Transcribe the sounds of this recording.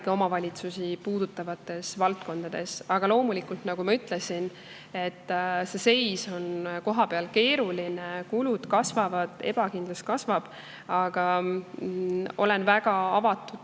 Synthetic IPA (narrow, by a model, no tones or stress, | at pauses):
ɡ̥io̞mɑvɑlʲit̪susipuːd̪̥ut̪ːˑɑvɑt̪ːˑe̞svɑlt̪̚ko̞nd̪̥ɑd̪̥e̞̰sɑɡ̥ɑlo̞ːmulikult̪nɑɡ̥umɑyt̪le̞sin | e̞t̪ːse̞se̞jso̞nko̞ɦɑpe̞ɑlke̞ːɾulinekulud̪̥kɑsvɑvɑd̪̥eb̥ɑkind̪lɑst̪kɑsvɑb̥ | ɑɡ̥ɑ | o̞̰le̞nvæɡ̥ɑɑvɑt̪ːˑud̪̥